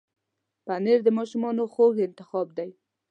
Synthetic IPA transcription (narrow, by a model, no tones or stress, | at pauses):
paneɾd̪əmɑʃumɑnoxoɣɪnt̪ɪxɑb̚d̪aj